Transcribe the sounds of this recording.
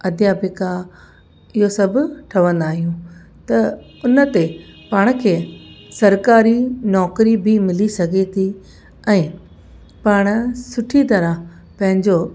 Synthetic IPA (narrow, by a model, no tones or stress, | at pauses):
ɐd̪ʱjapɪka | ɪɦosɐbʱʊʈʰɐʋə̃nd̪aːɦijũ | t̪ɐʊnə̆t̪epaːɽ̃ʊ̆kʰeːsɐɾkaːɾinɔːkɾibʱɪmɪlisɐɡʱet̪ʰi | ɛ̃ː | paːɽ̃̆sʊʈʰit̪ɐɾa | pɐ̃ɦɪ̃ɲd͡ʑo